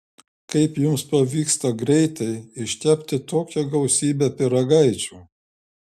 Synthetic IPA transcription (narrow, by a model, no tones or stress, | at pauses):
kɐɪpjʊmspɐʋʲiːkst̪ɐɡɾʲɛɪt̪ɐɪɪʃʲt̪ʲæpʲt̪ʲɪt̪oːkʲɛɡɐʊsʲiːbʲæpʲɪɾɐɡɐɪt͡ʃʲuː